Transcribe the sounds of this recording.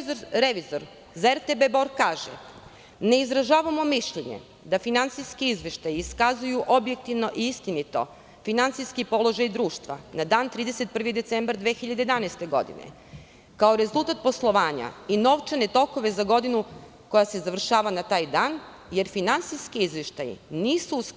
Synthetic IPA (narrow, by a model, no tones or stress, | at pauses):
ɾeʋizoɾ | zaeɾt̪ebeboɾɡkaːʒḛ | ne̞izɾaʒaːʋamo̞miʃʎeɲḛ | d̪afinant̪siskiizʋeʃt̪ajiskazujuʔobjek̚t̪iʋno̞ʔiist̪init̪o̞̰ | finant̪siskipo̞lˠo̞ʒajd̪ɾuːʃt̪ʋa̰nad̪aːnt̪ɾiːd̪ese̞t̪̚pr̩ʋid̪e̞t̪sembaɾd̪ʋexiʎad̪ejd̪anast̪e̞ɡo̞̰d̪ḭnḛ | kaoɾe̞zulˠt̪at̪̚po̞slˠo̞ʋaːɲa̰ino̞ʋt͡ʃane̞t̪o̞ko̞ʋe̞zaɡo̞d̪inu | ko̞jase̞zaʋr̩ʃaːʋanat̪aːjd̪aːn | je̞ɾfinant̪siskiizʋeʃt̪ajḭniːsus